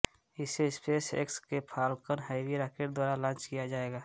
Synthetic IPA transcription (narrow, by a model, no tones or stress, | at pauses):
ɪseɪspeːsḛkskepʰaːlkəɾɦaːɪwiɾaːkeʈ̚d̪waːɾalãːt͡ʃkijad͡ʒaːeːɡaː